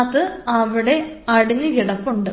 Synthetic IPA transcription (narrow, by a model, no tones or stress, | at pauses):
t̪ɨɐʋiɽe̞ɐɽinːɨʋiɽɐpːuɳɖɨ